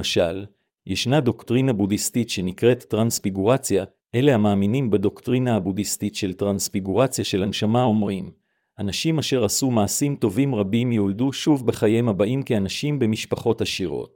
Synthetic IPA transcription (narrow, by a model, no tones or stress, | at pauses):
aʃal | jeʃnado̞ktʁinabudistitʃe̞nikʁe̞tːʁansfiɡuʁat͡sja | ʔe̞le̞hamaːminimbado̞ktʁinaabudistitʃe̞ltʁansfiɡuʁat͡sjaʃe̞lanʃamao̞mʁim | ʔanaʃimaʃe̞ʁasumaːsimto̞vimʁabimjolduʃuvbe̞χajemabaʔimkianaʃimbe̞miʃpaχo̞taʃiʁo̞̰t̚